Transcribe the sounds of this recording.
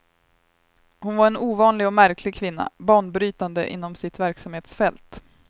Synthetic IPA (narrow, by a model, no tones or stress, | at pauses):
hʊnvaɾɛnuːvɑːnlɪɡɔmæɾkʰlɪɡ̚kʰvɪnːa̰bɑːɳbɾyːt̪and̪əʔɪ̰n̪ːɔmsɪt̪væɾksamheːt̪sfɛlt̪